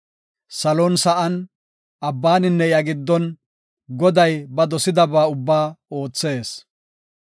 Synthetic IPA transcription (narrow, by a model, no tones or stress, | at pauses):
sɐloːnsɐʔɐn | ɐbːaːnɪnːɛjɐɡɪd̪ːɔn | ɡɔd̪ɐjbɐd̪ɔsɪd̪ɐbaːʊbːaːo̞ːt͡sːe̞ːs